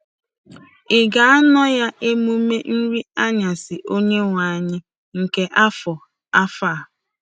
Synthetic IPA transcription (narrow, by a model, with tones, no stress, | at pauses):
ɪ˨ɡa˨a˦nɔ˦ja˦ʔe˦mu˦me˦n̩˦ɾi˦a˦ɲa˨sɪ˨ʔo˦ɲe˦ŋʷa˨a˨ɲɪ˦ | ŋ̩˨ke˨ʔa˦fɔ˨ | a˦fa˦˨